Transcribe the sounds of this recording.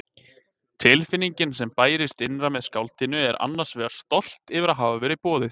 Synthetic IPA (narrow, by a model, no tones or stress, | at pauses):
t̪ʰɪlfɪnːiɲcɪnsɛmpaːjɾɪst̪ɪnɾamɛðskawlt̪ɪnʏɛɾʔa̰nːaɾ̥svɛːɣaɾ̥st̪ɔl̥t̪ɪvɪɾaðɦaːvavɛɾɪpɔːðɪθ